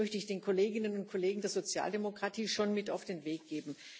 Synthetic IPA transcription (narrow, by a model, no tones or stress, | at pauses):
œçtəɪçd̥eːnkʰoleːɡɪnənʊnt̚kʰoleːɡŋ̩deːɐzot͡sja̰ːldemokʁ̥atʰiːʃonmɪtaʊfd̥eːnveːk̚ɡ̥eːbm̩